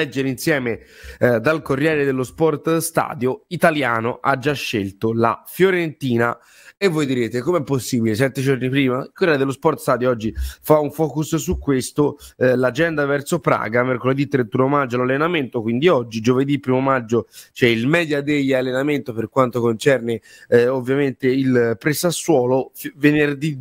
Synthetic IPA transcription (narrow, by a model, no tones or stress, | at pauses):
lɛd͡ʒːeɾeinsjɛːmed̪alkorːjɛːɾed̪elːospɔrt̪st̪a̰ːd̪joit̪aljaːnoʔad͡ʒːaʃːelt̪ola̰fjoɾent̪iːna | evːojd̪iɾeːt̪ekomeɛpːosːiːbilesɛt̪ːed͡ʒornipɾiːmailkorjɛːɾed̪elːospɔrt̪st̪aːd̪joɔd͡ʒːifauɱfɔːkussukːwest̪olad͡ʒɛnd̪avɛrt̪sopɾa̰ːɡamerkoled̪it̪ːɾent̪unomad͡ʒːolalːenament̪okwind̪iɔd͡ʒːid͡ʒoved̪ipːɾimomad͡ʒːot͡ʃɛilmɛːd̪jad̪ejːalːenament̪operkwant̪okont͡ʃɛrne | ovːjament̪eilpɾɛsasːwɔːlovenerd̪i